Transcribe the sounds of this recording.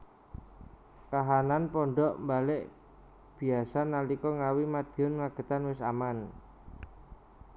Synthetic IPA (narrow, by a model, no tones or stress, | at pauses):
kaɦananpɔɳɖɔʔmbalɪʔ | b̥i̤asanalikɔŋawimad̪̥i̤ɔnŋaɡ̥ə̤t̪anwɪsa̰man